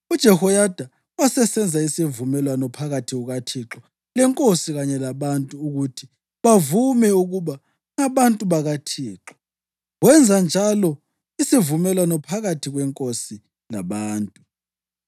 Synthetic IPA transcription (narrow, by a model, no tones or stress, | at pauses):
ud̥ʒ̥ʱɛhɔjad̥ʱa | wasɛsɛnd͡zʱaisivumɛlwanɔpʰaɣatʰiɣuɣatʰiǁɔ | lɛŋkʼosiɣaɲɛlaβantʼuːɣutʰi | βavumɛuɣuβa | ŋaβantʼuβaɣatʰiːǁɔ̥ | ɣwɛnd͡zʱand͡ʒʱalɔ | isivumɛlwanɔpʰaɣatʰiɣwɛŋkʼosi | laβaːntʼu